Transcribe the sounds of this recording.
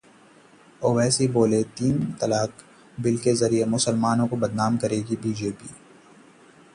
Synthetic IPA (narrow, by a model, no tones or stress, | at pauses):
oːʋɛːsiboːlet̪iːnt̪ɐlaːk | bɪlkezɐɾiemʊsəlmaːnõkobɐd̪naːmkɐɾeːɡibiːd͡ʒeːpiː